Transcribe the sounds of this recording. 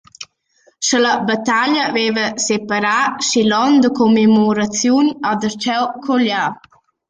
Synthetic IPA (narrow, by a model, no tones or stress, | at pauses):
ʃəlabat̪aʎavevəsepaɾaʃilɔnd̪əkomemoɾat͡sjunad̪əɾt͡ʃɛwkʰɔʎa